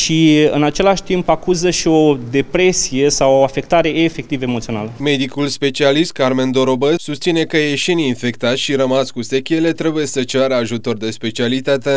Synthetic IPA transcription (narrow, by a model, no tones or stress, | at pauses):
ʃiɨnat͡ʃe̞laʃt̪impakuzəʃio̞d̪e̞pɾe̞sije̞sawoafe̞kt̪aɾe̞eːfe̞k̚t̪ivəemo̞t̪sionaləme̞d̪ikulspe̞t͡ʃialist̪̚karme̞nd̪o̞ɾobəsust̪sine̞kəjeʃininfe̞kt̪at̪ʲʃiɾəmaskusekʲele̞t̪ɾe̞buje̞sət͡ʃaɾəaʒut̪o̞rd̪e̞spe̞t͡ʃialit̪at̪e̞